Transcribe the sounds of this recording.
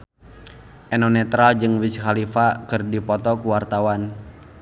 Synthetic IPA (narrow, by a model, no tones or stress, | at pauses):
ʔɛnɔnɛt̪ɾald͡ʒɨŋwit͡ʃkalifakɨrdipɔt̪ɔkuwart̪awan